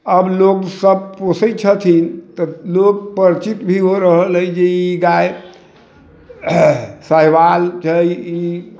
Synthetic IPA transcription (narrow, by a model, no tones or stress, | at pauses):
əbloɡsəbposət͡ʃʰət̪ʰint̪ɔloɡ̚pəɾt͡ʃit̪bʱiɦoɾəɦələd͡ʒeiɡaj | səɦʋalt͡ʃʰəji